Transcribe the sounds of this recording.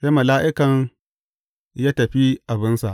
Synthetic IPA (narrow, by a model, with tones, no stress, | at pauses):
se˦mɐ˨laː˦ʔɪ˦kɐ˨ŋ | jaː˦tɐ˨ɸi˦ʔa˨bɪ˦nsa̰˨ʔ